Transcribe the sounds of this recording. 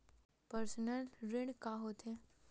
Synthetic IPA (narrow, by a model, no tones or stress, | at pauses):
pəɾsnəlɾɪɽkaɦoːt̪ɦɛː